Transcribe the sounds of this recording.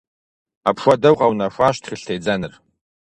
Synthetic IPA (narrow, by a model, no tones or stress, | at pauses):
apʰʃʷadɐwqʼawnaʃʷaʃtʰχʲɪɬtʰejd͡zanɨr